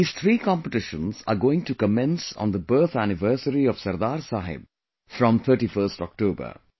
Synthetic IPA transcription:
iz̥t̪ʰɾiːkɔ̃mpəʈɪʃə̃nza̰ːɡoːɪ̃ŋʈukəmɛ̃nsɔ̰̃ːnd̪əbəɾt̪ʰænɪʋəːɾsəɾiɔʋsɐɾd̪aːɾsaːɦɪ̰b̚ | fɾɔ̃mt̪ʰəːʈifəɾsʈɔ̰k̚ʈoːbə̰ɾ

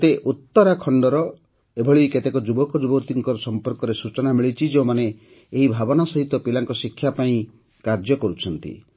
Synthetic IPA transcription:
t̪eʔut̪ːɔɾakʰɔɳɖɔɾɔ | ebʱɔɭiket̪ekɔd͡ʒubɔkɔd͡ʒubɔt̪iŋkɔɾɔsɔmpɔɾkɔɾesut͡ʃɔnamiɭit͡ʃʰid͡ʒeumaneː | ɦibʱabɔnasɔɦit̪ɔpilaŋkɔsikʰːjapaĩ | kaɾd͡ʒjɔkɔɾut͡ʃʰɔnt̪ḭ

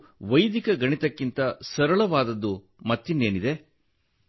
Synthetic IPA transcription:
ʋɐjd̪ikɐɡɐɳit̪ɐkːint̪ɐsɐɾɐɭɐʋaːd̪ɐd̪ːu | mɐt̪ːinːe̞ːnid̪e̞

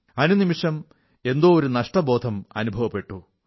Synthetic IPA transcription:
ɐnunimiʂɐm | e̞nd̪oːɾunɐʂʈɐbo̞ːd̪ʱɐmɐ̰nubʱɐʋɐpːe̞ʈːu

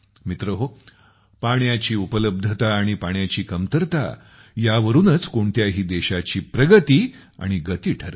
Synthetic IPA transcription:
mit̪ɾəɦo | paɳjat͡ɕiːupələb̚d̪ʱət̪aːɽ̃ipaɳjat͡ɕiːkəmt̪əɾt̪a̰ | jaʋəɾuːnət͡skoɳt̪jaɦiːd̪eɕat͡ɕiːpɾəɡət̪iː | a̰ɽ̃iɡət̪iːʈʰəɾ

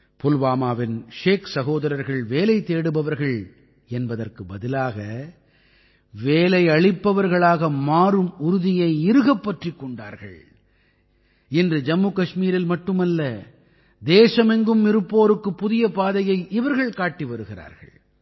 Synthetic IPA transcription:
pʊlʋaːmaːʋɪnʂeːksɐɣoːðɐɾɐɾɣɐɭʋeːlɐɪt̪eːɽɯbɐʋɐɾɣɐɭ | ɛnbɐðɐrkɯbɐðɪlaːɣɐ | ʋeːlɐɪɐɭɪpːɐʋɐɾɣɐɭaːɣɐmaːɾɯmʊɾʊðɪjɐɪɪɾɯɣɐpːɐʈrɪkːɔɳɖaːɾɣɐ̰ɭ | ɪndrɯd͡ʒɐmːukɐʂmiːɾɪlmɐʈːɯmɐlːɐ | d̪eːʂɐmɛŋɡɯmːɪɾɯpːoːɾɯkːɯpːʊðɪjɐpaːðɐjɐɪʔɪʋɐɾɣɐɭkaːʈːiʋɐɾɯɣɪra̰ːɾɣɐ̰ɭ

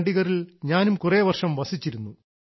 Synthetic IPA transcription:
ɳɖiɣɐrilɲaːnumkureːʋɐrʂɐmʋɐsit͡ɕːiɾunːu

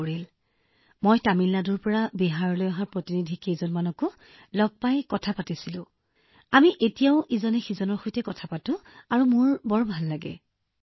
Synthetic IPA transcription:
ɹil | mojtamilːadʊɹpɔɹabiɦaɹɔlojaɦaɹpɹotinidʱikejzɔnmanɔkʊ | lɔɡ̚pajkɔtʰapatisilʊ̃ | amiʔetijaʊʔizɔnɛxizɔnɔɹxojtɛkɔtʰapatʊ̃aɹumʊɹbɔɹbʱalːaɡɛ̰

